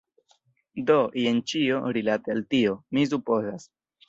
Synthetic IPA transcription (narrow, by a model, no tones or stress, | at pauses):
doient͡ʃioɾilatealtiomis̬upo̞zas